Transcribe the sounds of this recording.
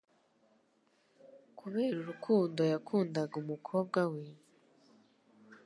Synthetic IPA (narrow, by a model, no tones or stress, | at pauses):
kʰuβe̞ːɾuɾukʰuːndo̞jakʰuːndaɡumukʰo̞ːb̚ɡwawiːm | e